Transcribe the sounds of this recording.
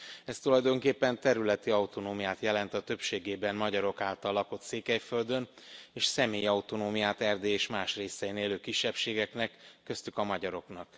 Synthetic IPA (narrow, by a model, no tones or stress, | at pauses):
ɛst̪ulɒjd̪o̞ŋkeːpːɛnt̪ɛɾylɛt̪iɒut̪o̞noːmijaːt̪jɛlɛnt̪ɒt̪ø̞pʃeːɡeːbɛnmɒɟɒɾo̞kaːlt̪ɒlːɒko̞t̪seːkɛjfø̞ld̪ø̞n | eːʃsɛmeːjiɒwt̪o̞noːmijaːt̪ɛrd̪eːeːʃmaːʃreːsɛjineːløːkiʃːɛpʃeːɡɛknɛkːø̞st̪ykɒmɒɟɒɾo̞knɒk